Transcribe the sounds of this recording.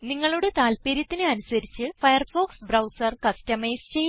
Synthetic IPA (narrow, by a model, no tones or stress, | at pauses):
niŋːɐɭoɽet̪aːlpeːɾjɐt̪ːinɨɐnusɐɾit͡ɕːɨfɐjɐrfo̞ːksbrɐwsɐrkɐstɐmejst͡ɕe̞j